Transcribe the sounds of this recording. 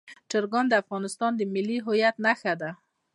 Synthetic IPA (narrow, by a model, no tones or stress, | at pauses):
ʈəɾɡɑnd̪əafɣɑnɪst̪ɑnd̪əmɪlːiɦojat̪naxad̪a